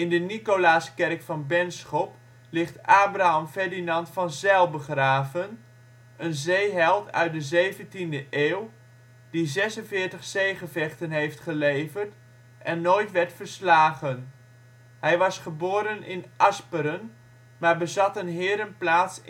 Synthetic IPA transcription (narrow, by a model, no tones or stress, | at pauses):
ɪndənikolaːskɛrkfɑnbɛnsχɔp | lɪχtaːbraɑmfɛɹdinɑntfɑnzɛlˠbəχraːvən | ənzejɦɛlˠtʰœ̰ɥt̚dəzejvəntindəʔeːw | dizɛsənvɪːɹtəχsejχəvɛχtənɦejftχəlejvərt | ʔɛnːoːjtʋɛɹtfəɹslaːχən | ɦɛjʋɑsχəboːɾənɪ̰nʔɑspəɾən | maːɹbəzɑtənɦɪːɾənplaːts